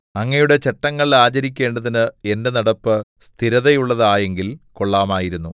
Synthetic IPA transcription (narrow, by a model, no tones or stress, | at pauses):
ɐŋːɐjuɽe̞t͡ɕeʈːɐŋːɐɭiaːt͡ɕɐɾik̬ʲːe̞ːɳɖɐðinɨe̞nde̞nɐɽɐpːɨst̪ʰiɾɐðɐjuɭːɐðaːje̞ŋɡilko̞ɭːaːmaːjiɾunːu